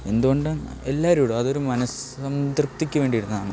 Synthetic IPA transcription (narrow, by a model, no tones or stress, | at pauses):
e̞nd̪uɣo̞ɳɖɨ | elːaːɐɾuːɽoɐðo̞ɾumɐnɐsɐmt̪rɨpt̪ikʲːuʋe̞ːɳɖijiɾunːɐðaːɳɨ